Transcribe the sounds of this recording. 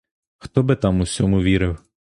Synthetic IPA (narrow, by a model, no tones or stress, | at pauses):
xt̪ɔbɪt̪ɑmusʲɔmʊʋʲiɾɪw